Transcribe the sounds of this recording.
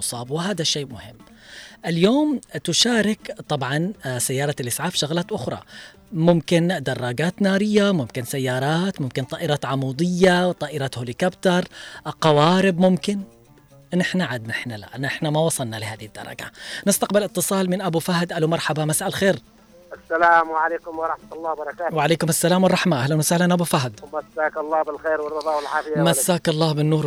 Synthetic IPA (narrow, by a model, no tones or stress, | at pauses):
ʊsˤɑːbwɪɦaːd̪aʃːeːmʊhɪmː | ʔɪljoːmt̪ʊʃaːɾɪkt̪ˤɑbʕɑnsajːɑːɾˤɑlʔɪsʕaːbʃʊɣlaːt̪ʔʊxɾˤɑ̰ | mʊmkɪnd̪ɑrˤːɑɡaːt̪naːɾɪjːamʊmkɪnsajːɑːɾˤɑːt̪mʊmkɪnt̪ˤɑːʔɪɾaːt̪ʕɑmuːd̪ˤɪjːawt̪ˤɑːʔɪɾaːt̪holɪkabt̪ɑɾˤqɑwaːɾɪbmʊmkɪn | ʔɪnːɪħnaʕad̪naɪħnala̰ʔɪnːɪħnamawɑsˤɑlnalɪɦaːðɪhɪd̪ːɑ̰ɾˤɑ̰ɡa̰nɪst̪aqbɪlɪt̪ˤːɨsˤɑːlmɪnʔabufahd̪ʔalumɑɾˤħabamasʔalxeːɾ | ʔasːalaːmwʕaleːkʊmwɑɾˤɑħmat̪lˤːɑːhbɑɾˤɑkaːtwɪʕaleːkʊmasːalaːmwɑrˤːɑħmaʔahlanwasahlanʔabufaɦd̪masːaːkɑlˤːɑːbɪlxeːɾwɪrˤːɑðˤɑːwɪlʕaːfɪjmasːaːkɑlˤːɑːbɪnːuːɾ